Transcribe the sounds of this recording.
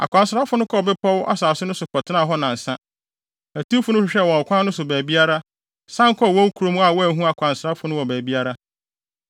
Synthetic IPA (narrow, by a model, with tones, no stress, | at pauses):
a̰˨kʷʰã˨nsɾa˦fʊ˦nʊ̃˦kʰɔ˦˨bɪ˦pʰɔ˦wʔa̰˦saː˨sʊ˦nʊ̃˦sʊ˨kʰɔ˨tʰɪ˦nã˦˨ɦɔ˦nã˨n̩˨sã˦ | æ˨tũ˦fʊ˨˦nʊ̃˦ɕɪ˨ɕᶣɛ˦˨wɔ̃˨kʷʰã˦nːʊ̃˦sʊ˨bæː˨bi˦a˦ɾa˦ | sã˦ŋ̩˦kʰɔ˦˨wɔ̃˦kʰu˨ɾo˦m˦a˨wɔ˦æ˨ɦũ˦a˨kʰʷã˨nsɾa˦fʊ˦nʊ̃˦wɔ˨bæː˨bi˦a˦ɾa˦